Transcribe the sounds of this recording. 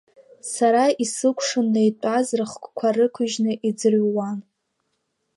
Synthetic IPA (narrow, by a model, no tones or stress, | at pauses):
saɾaisɨkʷʰʂɨnːejtʷʼazrɨχkʷʼkʷʰarɨkʷʰʊʒnɨʔid͡zɨrɥwan